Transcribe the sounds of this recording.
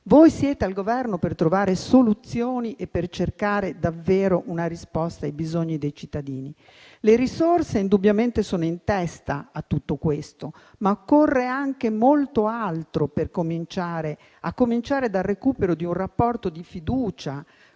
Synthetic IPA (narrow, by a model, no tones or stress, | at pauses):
vojsjɛːt̪ealɡovɛrnopert̪ɾovaːɾesolut̪sːjoːniʔepːert͡ʃerkaːɾed̪avːeːɾoʔunaɾispɔst̪ajbizoɲːid̪ejt͡ʃit̪ːad̪iːni | leɾisorseind̪ubjament̪esoːnoint̪ɛst̪aat̪ːut̪ːokwest̪o | maokːorːeaŋk̟emolt̪oalt̪ɾoperkomint͡ʃaːɾe | akːomint͡ʃaːɾed̪alrekuːpeɾod̪iunrapːɔrt̪od̪ifid̪uːt͡ʃa